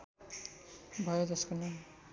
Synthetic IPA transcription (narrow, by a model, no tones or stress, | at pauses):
bʱʌjod͡zʌskonʌ